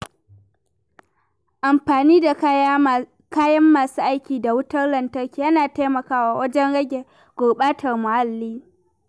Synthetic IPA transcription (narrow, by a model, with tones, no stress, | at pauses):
ʔa˨mɸaː˨niː˦da˨˦ | kaː˦jɐ˦mːaː˨suː˦ʔa˦jkʲiː˨da˨wʊ˦tɐ˦rlɐ˨ntɐ˦rkʲeː˦jɐ˦naː˨ta˦mɐ˨kaː˦waː˨wɐ˦d͡ʒɛ˦nɽɐ˦ɡʲe˨ | ɡ̥ʷoː˨ɓaː˦tʰɐ˨rmʊ˨ha˦lːiː˦